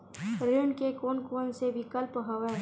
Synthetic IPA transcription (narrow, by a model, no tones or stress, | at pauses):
ɾeːɳɖkekoːnkoːnsebʱikɐlpɦɐʋɛ